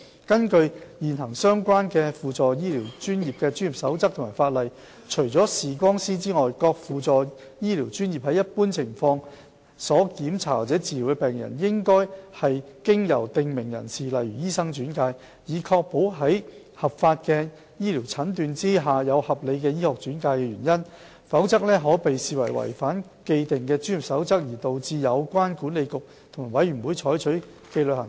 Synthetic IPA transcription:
kɐ˥nkɵ˧ɥjiː˨nɦɐ˨˩ŋsœː˥ŋkʷwaː˥nkɛː˧fuː˨t͡sɔː˨jiː˥liː˨˩wt͡ʃyː˥njiː˨p̚kɛː˧t͡ʃy˥ni˨p̚sɐ˨˥wt͡sɐ˥k̚t̪ʰmaː˨˩faː˧t̚lɐ˨j | t͡ʃʰɵ˨˩ɥt͡sɔː˨˥siː˨˩k̬ʷɔː˥ŋsiː˥t͡siː˥ŋɔː˨jkɔː˧k̚fuː˨t͡sɔː˨ | jiː˥liː˨˩wt͡ʃyː˥njiː˨p̚hɐ˨˥jːɐ˥t̚puː˥nt͡sʰɪ˨˩ŋfɔː˧ŋ | sɔː˨˥kiː˨˥mt͡sʰa̰ː˨˩t͡sɛː˨˥t͡siː˨li˨˩wkɛ˧pɛː˨ŋjɐ̰˨˩njɪ˥ŋkɔː˥jhɐ˨jkɪ˥ŋjɐ˨˩wt̪ɪ˨ŋmɪ˨˩ŋjɐ̰˨˩nsiː˨lɐ˨jɥyː˨˩jiː˥sɐ˥ŋt͡ʃyː˨˥nkaː˧j | jiː˨˩kʰɔː˧k̚po˨˥wɦɐ˨˥j | hɐ˨pfaː˧t̚kɛː˧ | jiː˥liː˨˩wt͡sʰɐ˨˥nt̪yː˨nt͡siː˥ɦaː˨jɐ˨˧whɐ˨p̚le˨˧jkɛː˧jiː˥hɔː˨k̚t͡ʃyː˨˥nkaː˧jkɛː˧ɥyː˨˩njɐ˥n | fɐ˨˥wt͡sɐ˥k̚lɛː˥ɦɔː˨˥pe˨jsiː˨wɐ˨˩jwɐ̰˨˩jfaː˨˥n | ke˧jt̪ɪ˨ŋkɛː˧t͡ʃyː˥ny˨p̚sɐ˨˥wt͡sɐ˥k̚jiː˨˩t̪o˨wt͡siː˧jɐ˨˧wkʷaː˥nkuː˨˥nle˨˧jkʊ˨k̚ | t̪ʰmaː˨˩wɐ˨˥jyː˨˩nwuː˨˧jt͡ʃʰɔː˨˥jt͡ʃʰɵ˨˥ | ke˧jlɵ˨hɐ˨˩

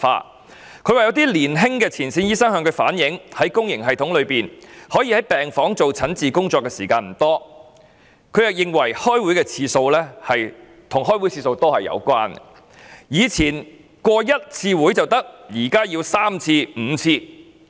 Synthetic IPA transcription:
fa̰ː˧ | kʰwaː˨jɐ˨˧wt̪̬iː˥liː˨˩nɦɪ˥ŋkɛː˧t͡sʰiː˨˩nsiː˨˧njiː˥sɐ˥ŋɦœː˧ŋkʰɵ˨˧ɥfa̰ː˨˥njɪ˨˥ŋhɐ˨˥jkʊ˥ŋjɪ˨˩ŋɦɐ˨jt̪ʰʊ˨˥ŋlɵ˨˧ɥpiː˨˩nhɔː˨˥jiː˧hɐ˨˥jpɛː˨ŋfɔː˨˥ŋt͡so˨wt͡sʰɐ˨˥nt͡siː˨kʊ˥ŋt͡sɔː˧kːɛː˧siː˨˩kaː˧nm̩˨˩t̪ɔː˥ | kʰɵ˨˧ɥjɪ˨k̚jɪ˨˧ŋwɐ˨˩jhɔː˥jwu˨˥jkɛː˧t͡sʰiː˧so˧wlɛː˥hɐ˨j | t̪ʰʊ˨˩ŋɦɔː˥jwu˨˥jt͡sʰiː˧so˧wt̪o˥hɐ˨jɐ̰˨˧wkʷwaː˥n | jiː˨˧t͡sʰiː˨˩n | kwɔː˧jɐ˥t̚t͡sʰiː˧wu˨˥jt͡sɐ˨wt̪ɐ˥k̚jiː˨˩kaː˥jiː˧wsaː˥mt͡sʰiː˧m̩ː˨˧t͡sʰiː˧

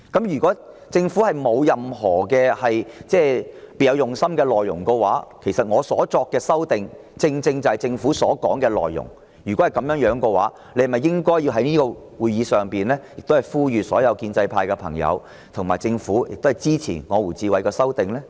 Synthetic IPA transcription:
kɐ˨˥mjyː˨˩kɔː˨˥ | t͡sɪ˧ŋfu˨˥hɐ˨jmo˨˧wjɐ˨mɦɔː˨˩kɛː˧hɐ˨jt͡sɛː˥peː˨˧jɐ˨˧wjʊ˨˩ŋsɐ˥mkɛː˧lɔː˨jːʊ̰˨˩ŋkɔ˧waː˨˥kʰe˨˩jsɐ˨t̚ŋɔː˨˧sɔ̰ː˨˥t͡sɔː˧kːɛː˧sɐ˥wt̪ɪ˨ŋ | t͡sɪ˧ŋt͡sɪ˧ŋt͡sɐ˨˩hɐ˨˩jt͡sɪ˧ŋfuː˨˥sɔː˨˥kɔː˨˥ŋkɛː˧lɔ̰ː˨jːʊ̰˨˩ŋ | jyː˨˩kɔ˨˥hɐ˨˩jkɐ˨˥mjœː˨˥ŋjœː˨˥ŋkɔ˧wa̰ː˨˥ | le˧˥hmɐ˨jːɪ˥ŋkɔː˥jːiː˧wɦɐ˨˥jniː˥kɔː˧ | wuː˨˧jjiː˨˧sœː˨ŋpiː˨˩nlɛː˥jɪ˨k̚t̪o˥hɐ˨jfuː˥jyː˨sɔː˨˥jɐ˨˧wkiː˧nt͡sɐ˧jpʰaː˧jkɛ˧pʰɐ̰˨˩ŋjɐ̰˨˧w | t̪ʰʊ˨˩ŋmaː˨˩jt͡sɪ˧ŋfuː˨˥jɪ̰˨k̚t̪hjt͡siː˥t͡sʰḭː˨˩ŋɔː˨˧wuː˨˩t͡siː˧wɐ˨˧jkɔː˧sɐ˥wt̪ɪ˨ŋlɛ˥

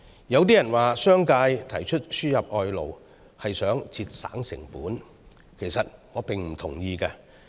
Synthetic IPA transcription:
jɐ˨˧wt̪̬iː˥jɐ˨˩nwaː˨˩sœː˥ŋkaː˧jt̪ʰɐ˨˩jt͡ʃʰɵ˥t̚syː˥jɐ˨p̚ʔɔː˨jlo̰˨˩w | hɐ˨jsœː˨˥ŋt͡siː˧t̚sa̰ː˨˥ŋsɪ̰˨˩ŋpuː˨˥n | kʰe˨˩jsɐ˨t̚ŋɔː˨˧pɪ˨ŋm̩˨˩t̪ʰʊ˨˩ŋjiː˧kɛ˧

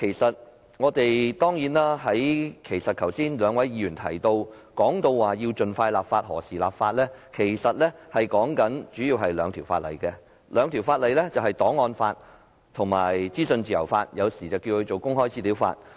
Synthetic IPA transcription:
kʰe˨˩jsɐ˨t̚ | ŋɔː˨˧t̪e˨jt̪ɔː˥ŋjiː˨˥naː˥ɦɐ˨˥jkʰe˨˩jsɐ˨t̚kʰɐ˨˩wsiː˥nlœː˨˧ŋwɐ˨˥jjiː˧˥jyː˨˩nt̪ʰɐ˨˩jt̪o˧w | kɔː˨˥ŋt̪o˧wwaː˨˩jiː˧wt͡ʃɵ˨nfaː˧jlaː˨p̚faː˧t̚hɔ̰ː˨˩siː˨˩laː˨p̚faː˧t̚lɛː˥kʰe˨˩jsɐ˨t̚lɛː˥hɐ˨jkɔː˨˥ŋkɐ˨˥nt͡ʃyː˨˥jiː˧wɦɐ˨jlœ̰ː˨˧ŋt̪ʰiː˨˩wfaː˧t̚lɐ̰˨˩jkɛ˧ | lœː˨˧ŋt̪ʰi˨˩wfaː˧t̚lɐ˨jlɛ˥t͡sɐ˨whɐ˨jt̪ɔː˨˥ŋːɔː˧nfaː˧t̚ | t̪ʰʊ˨˩ŋma̰ː˨˩jt͡siː˥sɵ˧nt͡siː˨jɐ˨˩wfaː˧t̚jɐ˨˧wsiː˨˩t͡sɐ˨wkiː˧wkʰɵ˨˧t͡so˨˩wkʊ˥ŋhɔː˥jt͡siː˥liː˨˥wfa̰ː˧t̚

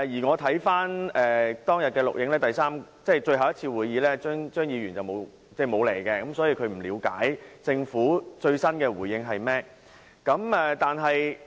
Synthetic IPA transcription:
jiː˨˩ŋɔː˨˧t̪ʰɐ˨˥jfaː˥nɛː˨t̪ɔː˥ŋjɐ˨t̚kɛː˧lʊ˨k̚jɪ˨˧˥ŋlɛː˥t̪ɐ˨jsaː˥m | t͡sɛː˥˩t͡ʃɵ˧ɥhɐ˨wjɐ˥t̚t͡sʰiː˧wuː˨jiː˨˧lɛː˥t͡ʃœː˥ŋt͡ʃœː˥ŋjiː˨˧ɥyː˨˩nt͡sɐ˨˩wmo˨˧w | t͡sɛː˥˩mo˨˧wle˨˩jkɛ˧kɐ˨˦msɔː˨˥jiː˨˧kʰɵ˨˧ɥm̩˨˩liː˨˧wkaː˨˥jt͡sɪ˧ŋfuː˨˥t͡ʃɵ˧ɥsɐ˥nkɛː˧wuː˨˩jjɪ˧ŋɦɐ˨jmɛː˥ | kɐ˨˥mɛ˨˩t̪aː˨˩nɦɐ˨j

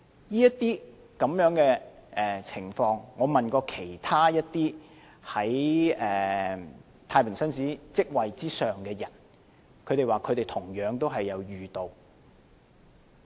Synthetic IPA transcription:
jiː˥jɐ˥t̪iː˥ | kɐ˨˥mjœː˨˥ŋkɛː˧ʔɛː˨˩t͡sʰɪ˨˩ŋfɔː˧ŋŋɔː˨˧mɐ˨nkɔː˧kʰe˨˩jt̪ʰaː˥jɐ˥t̚t̪iː˥ | hɐ˨˥jɛː˨ | t̪ʰaː˧jpʰɪ˨˩ŋsɐ˥nsiː˨˥t͡sɪ˥k̚wɐ˨jt͡siː˥sœː˨ŋkɛː˧jɐ̰˨˩n | kʰɵ˨˧ɾe˨jwaː˨kʰɵ˨˧t̪e˨jt̪ʰʊ˨˩ŋjœː˨˧˥ŋt̪o˥wɦɐ˨jːɐ˨˧wɥyː˨t̪o˨w

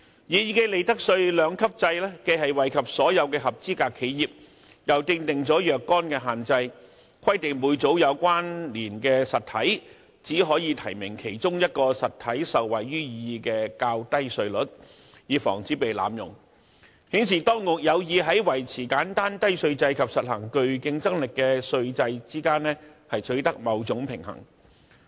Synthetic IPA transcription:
jiː˨˧jiː˧ke˧le˨jt̪ɐ˥k̚sɵ˧ɥlœː˨˧ŋkʰɐ˥p̚t͡sɐ˧jlɛː˥ke˧ɦɐ˨jwɐ˨˩jkʰɐ˨p̚sɔː˨˥jɐ˨˧wkɛː˧hɐ˨p̚t͡siː˥kaː˧kʰːe˨˥jjiː˨p̚ | jɐ˨˩wt̪ɪ˧ŋt̪ɪ˨˩ŋt͡sɔː˨˥jœː˨kːɔː˥nkɛː˧ɦaː˨nt͡sɐ˧j | kʷʰɐ˥jt̪ɪ˨ŋmuː˨˧jt͡so˨˥wjɐ˨˧wkʷaː˥nliː˨˩nkɛː˧sɐ˨t̪ʰːɐ˨˥j | t͡siː˨˥ɦɔː˨˥jiː˨˧t̪ʰɐ̰˨˩jmɪ˨˩ŋkʰe˨˩jt͡sʊ˥ŋjɐ˥t̚kɔː˧sɐ˨t̪ʰɐ˨˥jsɐ˨wwɐ˨˩jːyː˥jiiː˨˧kɛː˧kaː˧wt̪ɐ˥jsɵ˧ɥlɵ˨˥t̚ | jiː˨˧fɔ̰ː˨˩ŋt͡siː˨˥pe˨jla̰ː˨˧mjʊ̰˨˩ŋ | hiː˨˥nsiː˨˩t̪ɔː˥ŋkʊ˨k̚jɐ˨˧wjiː˨˧ɦɐ˨˥jwɐ˨˩jt͡sʰiː˨˩kaː˨˥nt̪aː˥nt̪ɐ˥jsɵ˧ɥt͡sɐ˧jkʰɐ˨p̚sɐ˨t̚hɐ˨˩ŋkɵ˨˧ɥkɪ˧ŋt͡sɐ˥ŋlɪ˨kːɛː˧sɵ˧ɥt͡sɐ˧jt͡siː˥kaː˥nɛː˥hɐ˨jtʰɵ˨˥ɥt̪ɐ˥k̚mɐ˨˧wt͡sʊ˨˥ŋpʰɪ˨˩ŋhɐ̰˨˩ŋ

